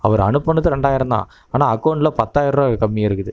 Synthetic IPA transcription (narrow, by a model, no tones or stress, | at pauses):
ɐʋɐɾɐ̰nɯpːɐnːɯðɯɾɛɳɖaːjɪɾɯnd̪a̰ː | aːnaːɐkːɐːɳɖlɐpɐt̪ːaːjɪɾɾɐkɐmːijɪɾɯkːɯðɯ